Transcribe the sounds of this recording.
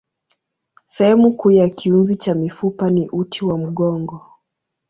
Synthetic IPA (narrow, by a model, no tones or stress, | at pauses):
sɛhɛmukuːjakiunzit͡ʃamifupaniʔutʰiwam̩ɠɔŋɡɔ